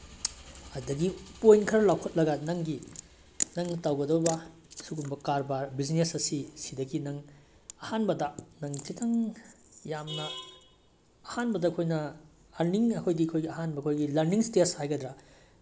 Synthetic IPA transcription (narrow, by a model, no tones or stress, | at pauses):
ɐdɐɡipojnkʰɐɾɐlawkʰɐt̚lɐɡɐnɐŋɡi | nɐŋtawɡɐdɐbɐ | suɡunbɐkaɾbaɾbid͡ʒnesɐsisidɐɡinɐŋ | ɐhanbɐdɐnɐŋkʰitʰɐŋ | jamnɐ | hanbɐdɐːkʰojnɐ | ɐɾniŋɐkʰojdiɐkʰojɡiɐɦanbɐɐkʰojɡilɐɾniŋsteshajɡɐd̪ɾɐ